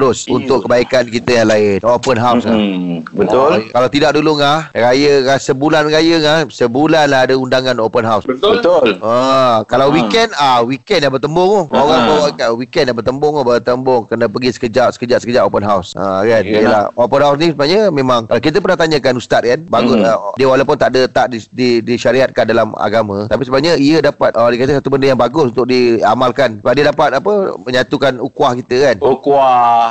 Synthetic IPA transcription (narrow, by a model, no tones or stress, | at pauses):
ɾʊsunt̪ʊkːəbaikankit̪əjaŋlaɪnopənɦawsŋa̰bət̪ʊlkalawt̪idaʔ̚duluŋahrajəkasəbulanɾajəŋahsəbulanlaadəundaŋanopənɦawsət̪bət̪ʊləkalawwikɛnawikɛnjahbərt̪əmbʊŋɔhaɣaŋbawaʔkawikɛndabərt̪əmbʊŋɔbət̪əmbʊŋkənəpəɡisə̥kəd͡ʒaʔsə̥kəd͡ʒaʔsə̥kəd͡ʒaʔopənɦawsə̰kanijəlahopənɦaws̬nĩsəbnaɲəmẽmãŋkk̬it̪əpərnaht̪aɲəkanust̪at̪̚kanbaɡʊdiəwalawp̬ʊnt̪aʔdət̪aʔdididiʃaɾiat̪̚kandalama̰ɡamə̃t̪apisəbənaɲəiədapat̪̚ʔədikat̪əsat̪ubəndəŋjaŋbaɡʊsunt̪ʊk̚diamalkanbadiədapat̪̚apəməɲat̪ukanukuahkit̪əkanukua